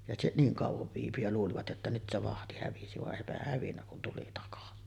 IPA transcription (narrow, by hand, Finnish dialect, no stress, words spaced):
jɑ se niːŋ kɑˑuʋoʋ ʋiːpy jɑ luːliʋɑt jotːɑ nyt se ʋɑhti hæʋisi ʋɑʔ ʔeˑipæhæh hæʋinːæ kun tuli tɑkɑsi